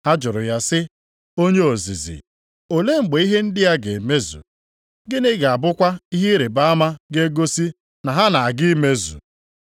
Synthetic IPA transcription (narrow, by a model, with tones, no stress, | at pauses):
a˦d͡ʒʊ˨ɾʊ˨ja˦sɪ˦ | o˦ɲe˦o˨zḭ˨zḭ˨ | o˨le˦ŋ͡m̩˨ɡ͡be˨˦i˦ɦe˦n̩˦dɪ˦ja˦ɡe˨me˦zṵ˨ | ɡɪ˦nɪ˦ɡa˨bʊ˦kʷa˦i˦ɦe˦ɾe˨ba˦a˦ma˦ɡe˦ɡo˦si˦ | na˨ɦa˦na˨a˨ɡɪ˦me˦zṵ˨